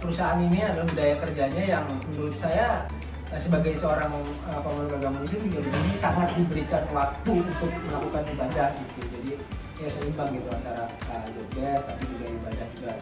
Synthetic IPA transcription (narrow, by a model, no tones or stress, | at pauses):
pəɾusaaniniadalabudajakərd͡ʒaɲajaŋnuɾʊt̪̚saja | səbaɡajsəoɾaŋ | əpəmənɡaɡamansɪnt̪udisinisaŋat̪̚dibəɾikanlak̚t̪uunt̪ʊk̚məlakukanibad͡ʒahɡit̪ud͡ʒadi | jasəlimbaŋɡit̪ua̰nt̪aɾaədoɡɛst̪apid͡ʒuɡaibadahd͡ʒuɡa